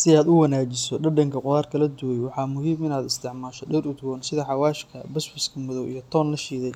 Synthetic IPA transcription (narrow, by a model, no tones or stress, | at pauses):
sɪaːd̪ʊwɐnaːt͡ʃɪsɔɖɐɖɐŋkʰɐqʊɾaːrkʰɐlɐd̪uwɛjwɑħɑːmʊɦiːmɪnaːd̪ɪst̪ʰɪʕmaːʃɔɖɛɾʊd̪wɔːnsɪðɐħɑwaːʃkʰɐbɐsbɐskʰɐmʊðɔwḭjɞt̪ʰɔːnlɐʃiːðɛj